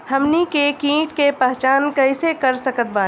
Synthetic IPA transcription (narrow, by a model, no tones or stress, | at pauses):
hɐmnikekĩːʈkepəɦt͡ʃaːnkɐɪsekəɾsəkət̪̚baː